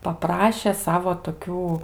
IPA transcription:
pɐˈprɑːʃʲɛ ˈsɑːʋoː toːˈkʲuː

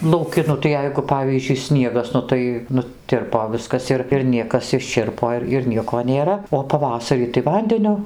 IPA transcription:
lˠɐʊˈkʲɪ ˈnʊ tɐɪ ˈjɛɪɡʊ ˈpɑːʋʲiːzʲd͡ʒʲʊɪ ˈsʲnʲiɛɡɐs ˈnʊ tɐɪ nʊˈtʲɪrpoː ˈʋʲɪskɐs ɪr ɪr ˈnʲiɛkɐs ɪʃʲˈt͡ʃʲɪrpoː ɪr ɪr ˈnʲiɛkoː nʲeːˈrɐ oː pɐˈʋɑːsɐrʲiː tɐɪ ˈʋɐnʲdʲɛnʲʊ

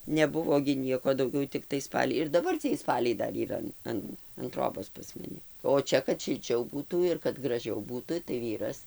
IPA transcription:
nʲɛˈbʊʋoː ɡʲɪ ˈnʲiɛkoː dɐʊˈɡʲɛʊ tʲɪkˈtɐɪ ˈspɑːlʲɛɪ ɪr dɐˈbɐr t͡sʲiɛj ˈspɑːlʲɛɪ ˈdɐr iːˈrɐ ɐn ˈɐn ɐn ˈtroːboːs pɐs mɐˈnʲɪ oː ˈt͡ʃʲɛ kɐt ʃʲɪlʲˈt͡ʃʲɛʊ ˈbuːtuː ɪr kɐt ɡrɐˈʒʲɛʊ ˈbuːtʊ tɐɪ ˈʋʲiːrɐs

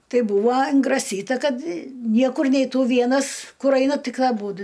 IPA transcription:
ˈtɐɪ ˈbuːʋoː ɪŋɡrɐˈsʲiːtɐ ˈkɐt ˈnʲiɛkʊr nʲɛɪˈtuː ˈʋʲiɛnɐs ˈkʊr ˈɐɪnɐ ˈtʲɪk ɐˈbuːdʊ

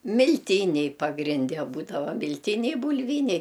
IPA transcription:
mʲɪlʲˈtʲiːnʲɛɪ pɐɡrʲɪnʲˈdʲɛ ˈbuːdɐʋɐ mʲɪlʲˈtʲiːnʲɛɪ bʊlʲˈʋʲiːnʲɛɪ

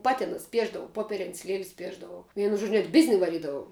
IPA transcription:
ˈpɑːtʲɪ nʊsʲɪˈpʲiɛʒdɐʋɐʊ ˈpoːpʲɛrʲɪnʲsʲ lʲiɛlʲsʲ ˈpʲiɛʒdɐʋɐʊ ˈʋʲiɛnʊ ʒoːt͡ʃʲ nʲɛt ˈbʲɪzʲnʲɪ ʋɐˈrʲiːdɐʋɐʊ

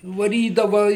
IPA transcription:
ʋɐˈrʲiːdɐʋɐ

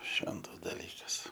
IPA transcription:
ˈʃʲʋʲɛntɐs dɐˈlʲiːkɐs

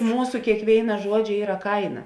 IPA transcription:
ˈmuːsʊ kʲeːkˈʋʲeːɪnɐ ˈʒuɔd͡ʒʲɛ ˈiːrɐ ˈkɐɪnɐ

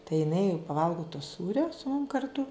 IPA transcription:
tɐɪ jɪˈnɐɪ jɛʊ pɐˈʋɐlˠɡoː toː ˈsuːrʲoː sʊ mʊm kɐrˈtʊ

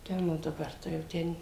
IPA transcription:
ˈtʲɛn oː dɐˈbɐr tɐɪ jɛʊ ˈtʲɛn

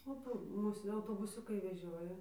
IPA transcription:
oː ˈpoː ˈmuːs ɐʊtoːbʊˈsʲʊkɐɪ ʋʲɛˈʒʲoːjɛ

